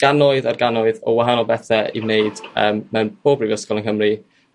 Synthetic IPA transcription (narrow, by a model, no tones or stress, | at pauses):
ɡ̥anɔɨðarɡanɔɨðɔwaɦanɔlˠbɛθɛḭmneɨd̥əːmːɛwnb̥oːbrivjəskɔlˠənkɦəmri